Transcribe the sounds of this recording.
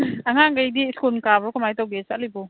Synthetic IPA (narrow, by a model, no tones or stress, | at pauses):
aŋaŋɡajdiskunkabɾɔkumajtawɡesat̚libo